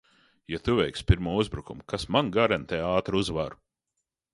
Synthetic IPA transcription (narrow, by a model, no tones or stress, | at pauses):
jat̪uvʲɛjkspʲiɾmuɔuzbɾukumkasmanɡaɾɛnt̪ɛaːt̪ɾuzvaɾu